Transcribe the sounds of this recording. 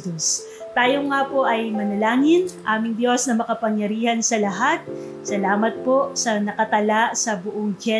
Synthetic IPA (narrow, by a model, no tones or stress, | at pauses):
d̪os | t̪aːjoŋapo̞ʔɐjmɐnɐlaːŋɪnʔaːmɪŋd̪jo̞snɐmɐkɐpɐŋjɐɾiːhɐnsɐlɐɦat̪̚ | sɐlaːmɐt̪̚po̞ʔsɐnɐkɐt̪ɐlasɐbʊʔoŋd͡ʒɛ